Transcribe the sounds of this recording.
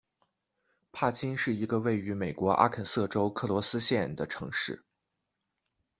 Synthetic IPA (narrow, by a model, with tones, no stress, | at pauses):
pʰa˥˩t͡ɕʰi˥nʂɻ̩˥˩i˧˥ɡə˧we˥˩ɪy˧˥me˨˩ɪkwɔ˧˥ʔa̰˥kʰə˨˩nsɤ˥˩ʈ͡ʂo˥ʊkʰɤ˥˩lwɔ˧˥sɹ̩˥ɕjɛ˥˩nd̪ə˩ʈ͡ʂʰɤ̰˧˥ŋʂɻ̩˥˩